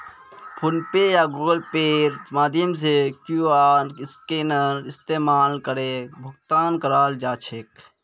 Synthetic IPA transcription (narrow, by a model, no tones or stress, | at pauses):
pʰʊnpeːjaːɡuːɡəlpeːɾmaːd̪ʱjəms̬ekjuaːnɪskeːnəɾɪst̪eːmaːlkəɾebʱɐɡt̪aːnkəɾaːld͡ʒaːt͡ʃʰek